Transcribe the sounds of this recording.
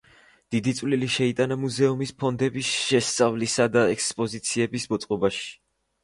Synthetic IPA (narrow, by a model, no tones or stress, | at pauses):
d̪̥id̪it̪sʼvliliʃɛit̪ʼanamuzɛumispʰɔnd̪ɛbisʃɛst̪sʼavlisad̪aɛkspʼɔzit̪sʰiɛbisbɔt̪sʼqʼɔbaʃi̥